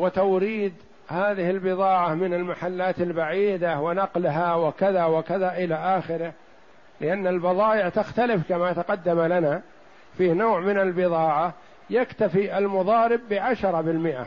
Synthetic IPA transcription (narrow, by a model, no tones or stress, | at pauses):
wɪt̪awɾiːd̪ | haːðɪhɪlbɨðˤɑːʕamɪnalmaħalːaːt̪albaʕiːd̪awɪnɑqlɦawɪkaðawɪkaðaʔɪlaʔaːxɪɾɪh | lɪʔanːalbɑðˤɑːʔɪʕt̪axt̪alɪfkamat̪aqɑd̪ːamalana | fiːhnoːʕmɪnalbɪðˤɑːʕa | jakt̪afiʔalmʊðˤɑːɾɪbːɪʕaʃɑɾˤɑbɪlmɪʔa̰